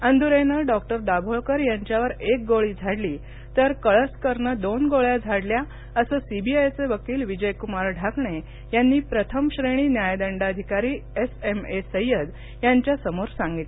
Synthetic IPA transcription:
ənd̪uɾenəɖɔk̚ʈəɾd̪abʱoɭkəɾjãɲt͡ɕjaʋəɾek̚ɡoɭiːd͡zʱaɽliː | t̪əɾkəɭəskəɾɳəd̪onɡoɭjad͡zʱaɽlja | əsəsibʱiajt͡seʋəkiːlʋid͡ʑəjkumaɾɖʱakɳe | janːiːpɾət̪ʰəmɕɾeɽ̃iːnjajd̪əɳɖad̪ʱikaɾiːesemesəjəd̪ | jaɲt͡ɕjasəmoɾsãŋɡit̪l

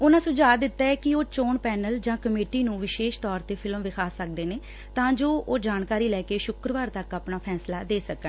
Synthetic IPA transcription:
ʊnãːsʊd͡ʒaːd̪ɪt̪ːaːɛːkɪoːt͡ʃoːɳpɛːnəld͡ʒãːkəmeːʈiːnũːʋɪʃeːʃt̪ɔːɾt̪eːpʰɪlmʋɪkʰaːsːək̚d̪eːneː | t̪ãːd͡ʒoːʔoːd͡ʒaːnkaːɾiːlɛːkeːʃʊkɾəʋaːɾt̪əkaːpnaːpʰɛːslaːd̪eːsəkə

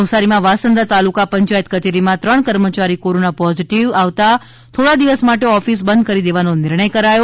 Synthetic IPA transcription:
əʋsaɾimãʋasənd̪at̪alukapəɲt͡ʃajt̪̚kət͡ʃeɾimãt̪ɾəɳkəɾmət͡ʃaɾikoɾonapɔziʈiʋaʋt̪a | t̪ʰoɽad̪iʋəsmaʈeɔfis̬bə̃nd̪̚kəɾid̪eʋanonɪɾɳəjkəɾajo

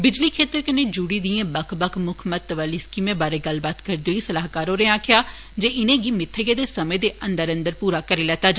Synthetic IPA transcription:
bɪd͡ʒliːkʰeːt̪əɾkənẽːd͡ʒuːɽiːd̪iːẽːbəkʰbəkʰmʊkʰmət̪ːəʋaːliːskiːmẽːbaːɾeːɡəlbaːt̪kəɾd̪eoːiːsəlaːɦkaːɾoːɾẽːaːkʰɪjaː | d͡ʒeːʔɪnẽːɡiːmɪt̪ʰːəɡeːd̪eːsəmẽːd̪eːʔə̃nd̪əɾə̃nd̪əɾpuːɾaːkəɾeːlɛːt̪aːd͡ʒ

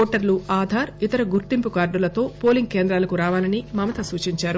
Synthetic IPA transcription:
oːʈɐɾluaːd̪ʱaːɾit̪ɐɾɐɡuɾt̪impukaːɾɖulɐt̪o̞ːpo̞ːliŋɡ̚keːnd̪ɾaːlɐkuɾaːʋaːlɐnimɐmɐt̪ɐsuːt͡ʃiɲt͡ʃaːɾu

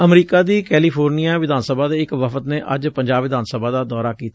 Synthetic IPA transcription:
əmɾiːkaːd̪iːkɛːliːpʰoːɾnijãːʋɪd̪ʱaːnsəbʱaːd̪eːɪkʋəfət̪nẽːʔəd͡ʒpəɲd͡ʒaːbʋɪd̪aːnsəbʱaːd̪aːd̪ɔːɾaːkiːt̪a

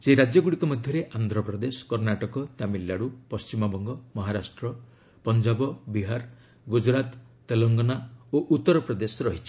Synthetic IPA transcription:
seɾad͡ʒjɔɡuɽikɔmɔd̪ʱjɔɾeʔand̪ʱɾɔpɾɔd̪eskɔɾnaʈɔkɔt̪amilːaɽupɔst͡ʃimɔbɔŋɡɔmɔɦaɾasʈɾɔ | pɔnd͡ʒabɔbiɦaɾ | ɡud͡ʒɾat̪ː | elɔŋɡɔnaoʔut̪ːɔɾɔpɾɔd̪esɔɾɔɦit͡ʃʰi̥

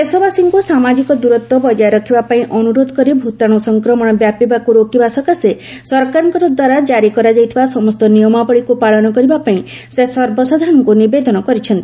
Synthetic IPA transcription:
esɔbasiŋkusamad͡ʒikɔd̪uɾɔt̪wɔbɔd͡ʒajɔɾɔkʰibapaĩʔɔnuɾod̪ʱɔkɔɾibʱut̪aɽ̃ɔsɔŋkɾɔmɔɽ̃ɔbjapibakuɾokibasɔkase | sɔɾkaɾɔŋkɔɾɔd̪waɾad͡ʒaɾikɔɾad͡ʒajt̪ʰibasɔmɔst̪ɔnijɔmabɔɭikupaɭɔnɔkɔɾibapaĩ | sesɔɾbɔsɔd̪ʱaɽɔŋkunibed̪ɔnɔkɔɾit͡ʃʰɔnt̪i

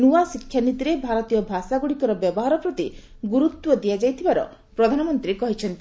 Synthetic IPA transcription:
nuasikʰːjanit̪iɾebʱaɾɔt̪ijɔbʱasaɡuɽikɔɾɔbjɔbɔɦaɾɔpɾɔt̪i | ɡuɾut̪wɔd̪ijad͡ʒajt̪ʰibaɾɔ̰ | pɾɔd̪ʱanɔmɔnt̪ɾikɔɦit͡ʃʰɔnt̪i

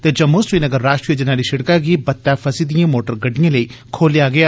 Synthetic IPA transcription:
t̪eːd͡ʒɐmːosɾiːnəɡəɾːaːʃʈɾijəd͡ʒɐnaːɾiʃɐɽkaɡibɐt̪ːafʰɐsid̪ijãːmoːʈəɾɡɐɖijãːləiːkʰoːljaɡɐjaː

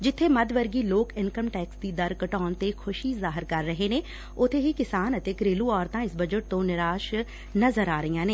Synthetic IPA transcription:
d͡ʒɪt̪ʰːemɐd̪ʋəɾɡiloːkɪnkəmʈɛːksd̪id̪ɐɾkəʈɔːnt̪ekʰʊʃizaːɦɪɾkɐɾːəɦenẽː | ʊt̪ʰeɦikɪsaːnɐt̪ɪkɾeːluɔːɾt̪ãːɪsbɐd͡ʒəʈ̚t̪õnɪɾaːʃ | nɐzəɾaːɾijãːneː

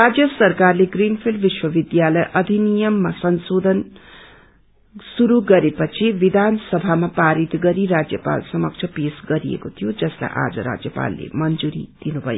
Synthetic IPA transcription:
rad͡zjʌsʌrkarleɡrinpʰilɖʋiswʌbid̪jalʌjʔʌd̪ʱinijʌmːasʌnsod̪ʱʌn | suɾuɡʌɾepʌt͡sʰibid̪ʱansʌbʱamapaɾit̪ɡʌɾiɾad͡zjʌpa̰lsʌmʌk̚t͡sʰʌpesɡʌɾijḛkot̪ʰijod͡zʌsla̰jʔa̰d͡zʌ̰ɾa̰d͡zjʌpa̰lːḛmʌnd͡zuɾḭd̪̥inubʱʌjo̰

